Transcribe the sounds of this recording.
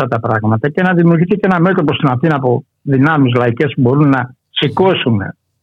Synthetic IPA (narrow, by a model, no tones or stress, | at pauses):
ɐt̪ɐpɾɐɣmɐt̪ɐce̞nɐðimiuɾʝiθiceenɐme̞t̪o̞posinɐθinɐpo̞ | ðinɐmizlɐice̞spubo̞ɾunːɐ | siko̞sunḛ